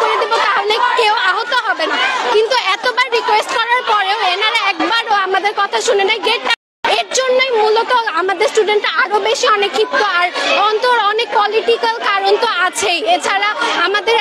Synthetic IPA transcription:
koɾed̪ibot̪aɦolekeoaɦot̪oɦɔbenakint̪uɛt̪obaɾːikwesʈkɔɾaɾpɔɾeoenaɾaɛkbaɾoamad̪eɾkɔt̪ʰaʃunenajɡeʈːa | eɾd͡ʑonːojmulot̪oamad̪eɾsʈuɖeɳʈːaaɾobeʃiɔnekʰːip̚t̪oaɾɔnt̪oɾɔnek̚pɔliʈikalkaɾont̪oat͡ɕʰejet͡ɕʰaɾaamad̪eɾ

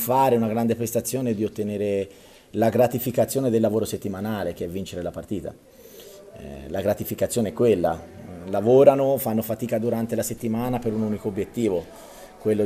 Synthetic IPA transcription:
faːɾeunaɡɾand̪epɾest̪at̪sːjoːned̪iot̪ːeneːɾe | laɡɾat̪ifikat̪sːjoːned̪elːavoːɾoset̪ːimanaːlek̟eɛvːint͡ʃeɾelapart̪iːt̪a̰ | laɡɾat̪ifikat̪sjoːneɛkːwelːa̰lavoːɾanofanːofat̪iːkad̪uɾant̪elaset̪ːimaːnapeɾunuːnikoːbːjet̪ːiːvo | kwelːo

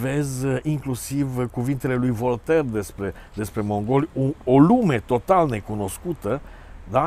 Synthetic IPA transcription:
ve̞ziŋklusivkuvint̪e̞le̞lujvo̞lt̪erd̪e̞spɾe̞ | d̪e̞spɾe̞mo̞ŋɡo̞ljuo̞lume̞t̪o̞t̪alne̞kuno̞skut̪ə | d̪a

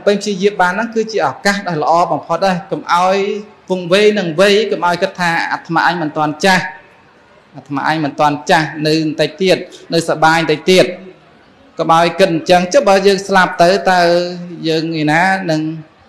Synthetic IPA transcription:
pəɲpʰt͡ɕiəjiəp̚ɓaːnːɨŋkɨːt͡ɕiəʔɔkahɗaɔjlə̆ʔɑːɓɑmpʰot̪̚ɗaɛkomʔaɔjpʊŋʋeːjnɨŋʋɨjkomʔaɔjkɨt̪ʰːaːʔa̰t̪ʰːmaʔaɲmɨnt̪ŏənt͡ɕah | ʔat̪ʰːma̰ʔaɲmɨnt̪ŏənt͡ɕahnɨwnt̪əc̚t̪iət̪̚nɨwsaɓaːjnt̪əc̚t̪iət̪̚ | kɑmʔaɔjkɨt̪̚ɲt͡ɕəŋt͡ɕɨ̆ɓaːjəːŋslap̚t̪ɨwt̪awjəːŋŋiənaːnɨŋ

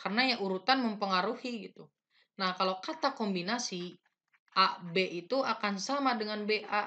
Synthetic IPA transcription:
karənajaʔuɾut̪anməmpəŋaɾuhiɡit̪u | nahkalawkat̪akɔmbinasi | ʔabeʔit̪uʔakansamadəŋanbeʔa

